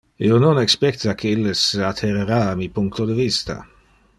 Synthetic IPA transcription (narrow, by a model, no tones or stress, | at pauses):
iononɛkspɛkt̪akʰeilːesat̪ʰːeɾeɾaamipuŋkt̪od̪əvist̪a̰